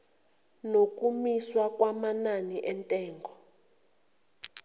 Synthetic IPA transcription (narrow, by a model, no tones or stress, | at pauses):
nok̬ʼumiswakʼwamananiʔɛntʼɛːŋɡʱɔ